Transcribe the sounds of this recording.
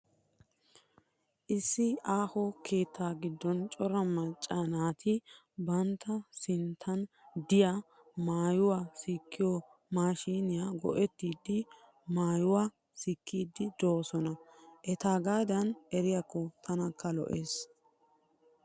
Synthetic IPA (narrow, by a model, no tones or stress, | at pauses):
ʔɪsːɪʔaːhɔkʰe̞ːt̪ʰːaːɡɪd̪ːɔnt͡ʃʼɔɾɐmɐt͡ʃʼːaːnaːt̪ʰɪ | bɐnt̪ːɐsɪnt̪ʰːɐnd̪ɪja | maːjʊwaːsikʰːɪjɔ | maːʃiːnɪjaːɡɔ̰ʔɛt̪ːiːd̪ɪ | maːjʊwaː | sikʰːiːd̪ːɪd̪oːsɔnɐʔɛt̪aːɡaːd̪ɐnʔɛɾɪjakːɔt̪ʰɐnɐkːɐlɔ̰ʔeːs